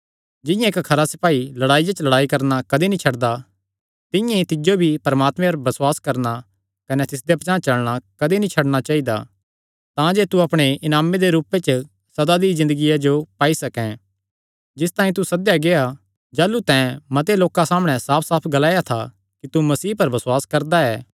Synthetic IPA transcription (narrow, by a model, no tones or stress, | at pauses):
d͡ʒɪ̃jãeːkkʰɐɾasɪpaːilɐɽaːijat͡ʃlɐɽaːikɐɾnakɐd̪enĩt͡ʃʰɐɽd̪a | t̪ɪ̃jãit̪ɪd͡ʒobʱipɐɾɐmaːt̪mɛ̃ɐɾbɐswaːskɐɾna | kɐnɛt̪ɪsd̪epɐt͡ʃãːt͡ʃɐlɽ̃akɐd̪enĩt͡ʃʰɐɽɽ̃at͡ʃaːid̪a̰ | t̪ãd͡ʒeːt̪uɐpɽ̃eʔɪnaːmed̪eɾuːpet͡ʃə | sɐd̪ad̪izɪ̃nd̪əɡijad͡ʒopaːisɐkɛ̃ | d͡ʒɪst̪aːĩt̪usɐd̪jaɡea | d͡ʒaːlut̪ɛ̃mɐt̪̬eloːkãsaːmɽ̃ɛ̃saːpʰsaːpʰɡɐlaːjat̪ʰa̰ | kit̪umɐsiːpɐɾbɐswaːskɐɾd̪aɛː